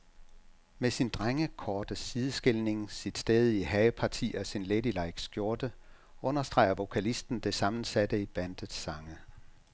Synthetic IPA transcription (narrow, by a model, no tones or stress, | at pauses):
mesind̥ʁaŋəkʰɒːd̥əsið̞ˠəsɡ̥e̝lne̝ŋsid̥sd̥eːð̞ˠiɦɛɪpʰɑ̈t͡sʰḭːɒsinledilɑ̈ɪ̰ɡ̥sɡ̥jo̝ɐd̥ə | ɔ̽nɐsd̥ʁɑ̰̈ɪ̰ɐʋo̝kʰælisd̥n̩d̥e̝sɑ̈mn̩sæd̥əib̥ænd̥əð̩ˠsɑ̈ŋə